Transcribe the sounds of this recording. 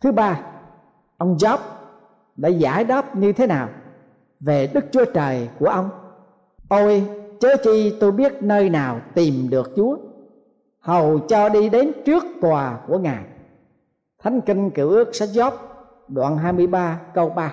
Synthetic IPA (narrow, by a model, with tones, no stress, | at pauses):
t̪ʰɨ˨˦ɓaː˧ | ʔə˧wŋ͡mzɔ˦˥p̚ | ɗa̰ː˧˥za̰ː˧˩jɗɔ˦˥p̚ɲɨ˧t̪ʰe˨˦naː˨˩w | ve˨˩ɗɨ˦˥k̚t͡ɕu˨˦ət͡ɕəː˨˩jku˧˩əʔə˧wŋ͡m | ʔ̪o˧jt͡ɕəː˨˦˥t͡ɕi˧t̪o˧jɓi˦˥ət̚nəː˧jnaː˨˩wt̪i˨˩mɗɨ˨˩ək̚t͡ɕu˨˦ə | hə˨˩wt͡ɕɔ˧ɗi˧ɗe˨˦nt͡ɕɨ˦˥ək̚t̪waː˨˩ku˧˩əŋaː˨˩j | t̪ʰa˨˦jŋ̟ki˧ŋ̟kɨ˧˩wʔɨ˦˥ək̚sa˦˥jt̚zɔ˦˥p̚ | ɗwa̰ː˧˩nɦaː˧jmɨ˧əjɓaː˧kə˧wɓaː˧